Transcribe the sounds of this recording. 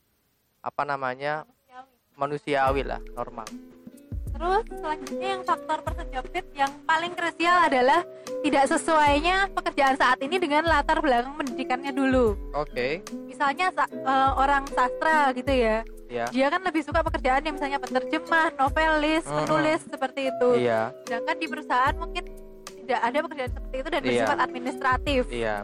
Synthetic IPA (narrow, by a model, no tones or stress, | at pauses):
ʔa̰panamaɲa | awi | manusiawila̰hnɔ̰rma̰l | t̪əɾʊsːəlaɲd͡ʒut̪̚ɲajaŋfak̚t̪ɔrpərsəd͡ʒapɪt̪̚jaŋpalɪŋkɾesialadalah | t̪idaʔsəsuajɲapəkərd͡ʒaʔansaʔat̪inidəŋanlat̪arblakaŋpəndidikanɲaduluokemisalɲasaəoɾaŋsast̪ɾaɡit̪uja | adiakanləbɪhsukapəkərd͡ʒaʔanjaŋmisalɲapət̪ərd͡ʒəmahnofelɪspənulɪsːəpərt̪iːt̪uja̰d̥ankandipəɾusaɦaʔanmuŋkɪn | t̪idaʔːdapəkərd͡ʒaʔansəpərt̪iːt̪udanbəəfat̪at̪̚minist̪ɾat̪ɪfa̰